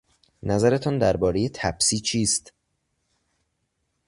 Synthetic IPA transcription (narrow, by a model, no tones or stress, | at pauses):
næzæɾe̞t̪ʰɒːnd̪æɾbɒːɾe̞je̞t̪ʰæb̥siːt͡ʃʰiːst̪